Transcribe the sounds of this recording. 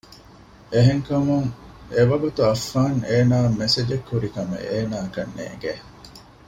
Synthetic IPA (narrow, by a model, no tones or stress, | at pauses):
ʔeɦeŋkɐmuŋeʋɐɡut̪uɐfːaːneːnaːmesed͡ʒekːuɾikɐmḛʔeːnaːkɐnːḛːŋɡe